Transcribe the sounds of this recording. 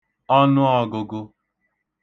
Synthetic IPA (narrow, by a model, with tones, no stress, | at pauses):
ɔ˦nʊ˦ɔ˦ɡʊ˨ɡʊ˦